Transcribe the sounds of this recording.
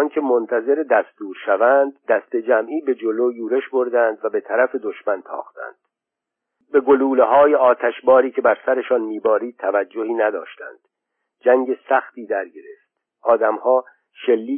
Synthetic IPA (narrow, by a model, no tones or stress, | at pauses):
nkʰe̞mont̪ʰæze̞ɾed̪æst̪uːɾʃævænd̪ːæst̪e̞d͡ʒæmʔiːbe̞d͡ʒo̞loːjuːɾe̞ʃbo̞ɾd̪ænd̪væbe̞t̪ʰæɾæfe̞d̪o̞ʃmænt̪ʰɒ̰ːxt̪æ̰nd̪̥ | be̞ɡo̞luːleɦɒːjeɒːt̪ʰæʃbɒːɾiːcʰe̞bæɾsæɾe̞ʃɒːnmiːbɒːɾiːd̪̥̚t̪ʰːævæd͡ʒːohiːnæd̪ɒ̰ːʃt̪æ̰nd̪̥ | d͡ʒæŋɟe̞sæxt̪iːd̪æɾɟe̞ɾeft̪̚ | ʔɒːd̪æmhɒː | ʃe̞lːiː